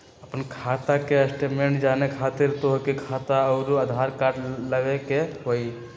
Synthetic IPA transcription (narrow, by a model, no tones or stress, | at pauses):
əpənkʰat̪akeəsʈemeɳʈd͡ʒanekʰat̪iɾt̪oɦkikʰat̪aəʊɾuəd̪ʱaɾkaɾɖləɡekeɦoi